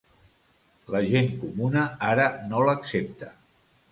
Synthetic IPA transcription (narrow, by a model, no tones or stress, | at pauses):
ləʒeŋkumunəaɾənoləksep̚t̪ə